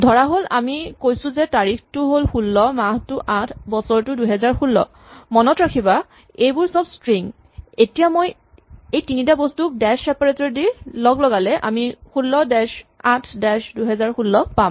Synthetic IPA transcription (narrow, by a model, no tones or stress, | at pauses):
dʱɔɹaɦola̰mikojsʊ̃zɛtaɹixtʊɦolxulːɔmaɦtʊʔatʰbɔsɔɹtʊduɦɛzaɹxulːɔ̰ | mɔnɔtɹakʰiba | ejbʊɹsɔbstɹiŋ | etijamoj | ejtinitabɔstuk̚dɛʃɛpaɹetɔɹdilɔɡlɔɡalɛʔa̰mixulːɔdɛʃatʰdɛʃduɦɛzaɹxulːɔpam